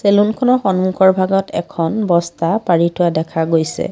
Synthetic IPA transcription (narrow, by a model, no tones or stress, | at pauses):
selunkʰɔnɔɹxɔnmukʰɔɹbʱaɡɔtʰɛ̰kʰɔnbɔstapaɹitʰʊadɛkʰaɡojsɛ̰